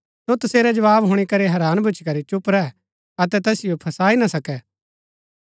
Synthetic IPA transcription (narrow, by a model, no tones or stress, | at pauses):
sot̪ʊseːɾɛd͡ʒɐʋaːbɦoʊːɽ̃ikɐɾeɦɛɾaːnbʱʊt͡ʃikɐɾit͡ʃʊpɾɛ | ɐt̪ɛt̪ɛːsɪjopʰɐsaːinasɐkɛ